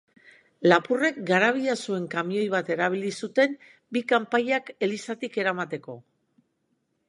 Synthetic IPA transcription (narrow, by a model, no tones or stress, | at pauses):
lapure̞k̚ɡaɾaβ̞iasue̞ŋkamio̞jβ̞at̪e̞ɾaβ̞ilisut̪e̞m | bikampaʎake̞lisat̪ike̞ɾamat̪e̞ko̞̰